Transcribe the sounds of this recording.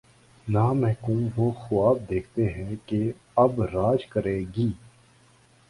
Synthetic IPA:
naːmɛ̃ːkũːʋoːxʊaːb̚d̪eːkʰt̪eɦɛ̃ke | ɐbɾaːd͡ʒkəɾeːɡiː

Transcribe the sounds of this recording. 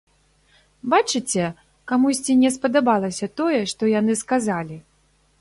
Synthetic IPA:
bat͡ʂɨt͡sʲɛ | kamusʲt͡sʲinʲɛspɐd̪abalˠɐsʲɐt̪ɔjɛʂt̪ɔjan̪ɨskazalʲi

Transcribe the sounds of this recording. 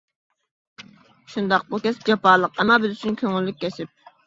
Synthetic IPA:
ʃund̪ɑqbukʲɛsd͡ʒɑpɑːlˠəqɛmɑbɪzyt͡ʃʰynkʲʰøŋylːyk̚ʲkʲɛʃɪp̚

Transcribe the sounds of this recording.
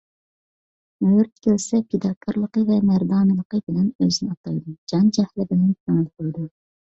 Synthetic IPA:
møɾt̪ʰʲɪ̥kʲʰølsɛpʰed̪ɑkʲʰːəɾlˠəqəvɛmæɾd̪ɑːnɨlˠəqəbɪlɛnøznɪɑt̪ɑjd̪ud͡ʒɑnd͡ʒɛhlɪbɪlɛnʰɛŋɪlqʰojd̪u

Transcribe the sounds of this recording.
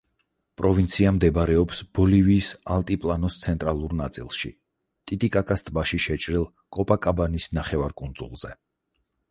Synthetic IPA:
pʼɾɔvint̪sʰiamd̪ɛbɾɛɔpsb̥ɔliviːsalˠt̪ʼipʼlˠanɔst̪sʰɛnt̪ʼɾalˠuɾnat̪sʼḭlˠʃḭ | t̪ʼit̪ʼikʼakʼast̪ʼbaʃiʃɛt͡ʃʼɾilˠ | kʼɔpʼakʼabanisnaχɛvaɾkʼund̪zṵlˠz̥ɛ

